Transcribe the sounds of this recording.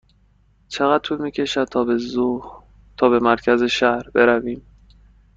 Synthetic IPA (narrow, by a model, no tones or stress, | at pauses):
t͡ʃʰeɣæd̪̚t̪ʰuːlmiːcʰe̞ʃæd̪̚t̪ʰɒːbezuh | t̪ʰɒːbe̞mæɾcʰæzeʃæhɾbe̞ɾæviːm